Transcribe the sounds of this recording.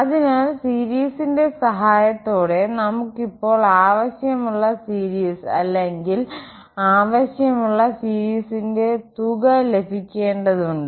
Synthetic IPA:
ɐðinaːlsiːɾiːsinde̞sɐɦaːjɐt̪ːo̞ːɽe̞nɐmukːipːo̞ːɭaːʋɐɕjɐmuɭːɐsiːɾiːsɐ̰lːeŋɡil | aːʋɐɕjɐmuɭːɐsiːɾiːsinde̞t̪uɣɐle̞bʱikʲːe̞ːɳɖɐðuɳɖɨ

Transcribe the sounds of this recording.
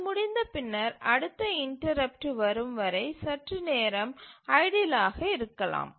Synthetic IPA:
mʊɽɪnd̪ɐpɪnːɐɾɐɽɯt̪ːɐɪɳʈɐɾɐp̚ʈɯʋɐɾɯmʋɐɾɐɪsɐʈrɯneːɾɐmɐɪɽɪlaːɣɐɪɾɯkːɐla̰ːm

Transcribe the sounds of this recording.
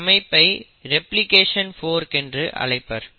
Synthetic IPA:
mɐɪpːɐɪ | ɾɛplɪkeːʂɐnfoːɾkɛndrɯʔɐ̰ɭɐɪpːɐɾ

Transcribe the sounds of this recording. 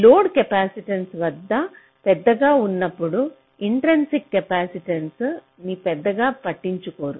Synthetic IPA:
loːɖkɛpaːsiʈɐnsʋɐd̪ːɐ | pɛd̪ːɐɡaːunːɐpːuɽu | iɳʈɾensikːɐpaːsiʈens | niːpɛd̪ːɐɡaːpɐʈːiɲt͡ʃuko̞ːɾu

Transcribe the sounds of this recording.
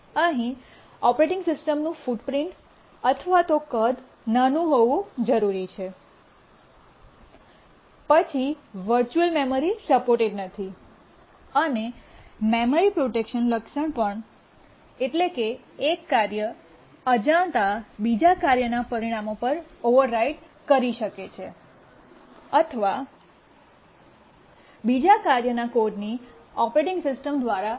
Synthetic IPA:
əɦĩ | ɔpɾeʈɪ̃ŋɡsɪsʈəmnũfuɖpɾɪ̃ɳʈ | ət̪ʰəʋat̪okəd̪ | nənũɦoʋũd͡ʒəɾuɾit͡ʃʰe | pət͡ʃʰiʋəɾt͡ʃuəlmeməɾisəpoɾʈeɖnət̪ʰi | ənememəɾipɾoʈekʃənləkʃəɳpəɳ | eʈlekeː | kːaɾjə | əd͡ʒaɳt̪abid͡ʒakaɾjənapəɾiɽ̃amopəɾoʋəɾːaiʈ | kəɾiʃəket͡ʃʰe | ət̪ʰəʋa | bid͡ʒakaɾjənakoɖniɔpɾeʈɪ̃ŋɡsɪsʈəmd̪ʋaɾa

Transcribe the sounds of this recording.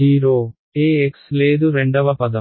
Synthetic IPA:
iːɾoː | eːeksle̞ːd̪uɾeɳɖɐʋɐpɐd̪ɐ

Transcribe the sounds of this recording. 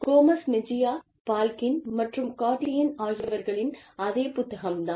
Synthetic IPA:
koːmɐsnɪd͡ʒɪjaː | paːlkɪnmɐʈrɯmkaːʈlɪjɪnaːɣɐʋɐɾɣɐɭɪnɐðeːpʊt̪ːɐɣɐmd̪aːn

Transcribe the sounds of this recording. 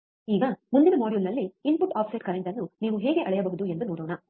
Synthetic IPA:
iːɡɐmund̪inɐmaːɽjulnɐlːiinpuʈaːpʰsɐjʈ̚kɐɾeɳʈɐnːuniːʋuɦeːɡe̞ʔɐɭɛjɐbɐɦud̪ue̞nd̪unoːɽoːɳɐ

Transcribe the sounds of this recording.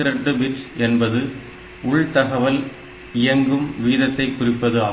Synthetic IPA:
ɪɾɐɳɖɯbɪʈsɛnbɐðɯ | ʊɭt̪ɐɣɐʋɐl | ɪjɐŋɡɯmʋiːðɐt̪ːɐɪkːʊrɪpːɐðɯaː

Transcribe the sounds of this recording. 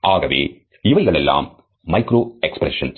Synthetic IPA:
aːɣɐʋḛː | ɪʋɐɪɣɐɭɛlːa̰ːmː | ɐɪkɾoːɛkspɾɛ̰ʂɐ̰ns

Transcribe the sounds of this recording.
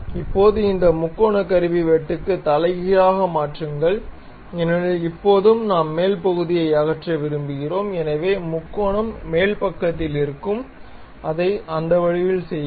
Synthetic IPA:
ɪpːoːðɯɪnd̪ɐmʊkːoːɳɐkːɐɾɯʋiʋeːʈːɯkːɯt̪ɐlɐɪɣɪɾaːɣɐmaːʈrɯŋɡɐɭ | ɛnɐɯɪpːoːðɯmnaːmːeːlpɐɣɯðɪjɐɪɐɣɐʈrɐʋɪɾɯmbɯɣɪroːmɛnɐʋeːmʊkːoːɳɐmːeːlpɐkːɐt̪ːɪlɪɾɯkːɯm | ʔɐðɐɪɐnd̪ɐʋɐɻɪʋɪlsɛj

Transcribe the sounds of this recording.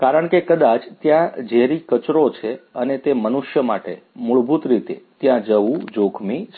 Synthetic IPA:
kaɾəɳ̃kekəd̪at͡ʃt̪jãd͡ʒeɾikət͡ʃɾot͡ʃʰeənet̪emənuʃjəmaʈe | muɭbʱut̪ɾit̪ḛt̪jãd͡ʒəʋũd͡ʒokʰmi

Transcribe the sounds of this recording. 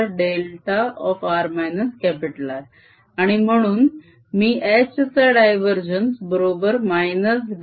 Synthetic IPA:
ɾɖelʈaɔfaɾmajnəskɛpiʈəlaɾ | aɽ̃im̤əɽ̃uːn | miːʔet͡ɕt͡saɖajʋəɾd͡ʑənsbəɾobəɾmajnəsɖ

